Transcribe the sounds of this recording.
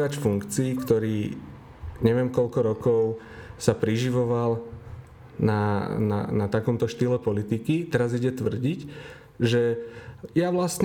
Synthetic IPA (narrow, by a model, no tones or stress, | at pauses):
acfuŋkt͡siːkt̪ɔɾiː | ɲɛʋɪɛmkɔʎkɔɾɔkɔʊ | sapɾiʒiʋɔʋal | nana̰nat̪akɔmt̪ɔʃt̪ilɛpɔlit̪ikit̪ɛɾaziɟɛt̪ʋr̩ɟic | ʒɛ | jaʋlastɲ